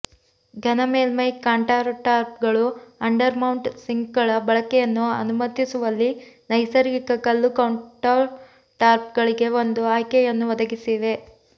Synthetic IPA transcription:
ɡʱɐnɐmeːlmɐjkaːɳʈaːɾʈaːɾp̚ɡɐɭuɐɳɖɐɾmɐwɳʈsiŋɡɡɐɭɐbɐɭɐkɛjɐnːuɐ̰numɐt̪ːisuʋɐlːinɐjsɐɾɡikɐkɐlːukɐwɳʈɐ | ʈaːɾp̚ɡɐɭiɡe̞ʋo̞nd̪uaːjkɛjɐnːuʋɐd̪ɐɡisiʋe̞

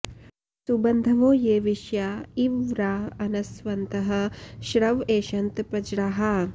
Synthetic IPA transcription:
subɐnd̪ʱɐʋoːjeːʋiʃjaiʋɾaːɐnɐsʋɐnt̪ɐɦɐ̆ʃɾɐʋeːʃɐnt̪pɐd͡ʒɾaɦɐ

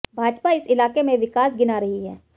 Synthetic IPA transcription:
bʱaːd͡ʒpaɪsɪlaːkemẽʋɪkaːsɡɪnaɾɐɦiɦɛ̰ː

